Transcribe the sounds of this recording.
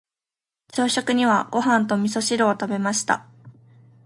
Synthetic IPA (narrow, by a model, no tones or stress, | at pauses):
t͡ɕoːɕokɯ̟ɲ̟iβaɡ̥o̞ɦãnt̪o̞mʲiso̞ɕiɾo̞ːt̪abe̞maɕi̥t̪a̰